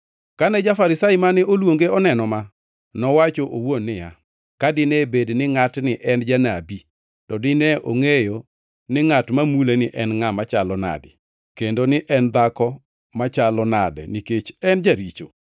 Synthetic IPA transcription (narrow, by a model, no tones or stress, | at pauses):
kanɛd͡ʒafaɾɪsaimanɪʔolwoŋɡeɔnɛnɔma | nɔwat͡ʃoʔowonːɪja | kadɪnɛbednɪŋatnɪʔɛnd͡ʒanabi | tɔdɪnɛʔoŋejo | nɪŋatmamulenɪʔɛnŋamat͡ʃalɔna̰dɪ̰ | kendonɪʔɛnd̪akɔ | mat͡ʃalɔnadɛ̰niket͡ʃɛnd͡ʒaɾit͡ʃo̰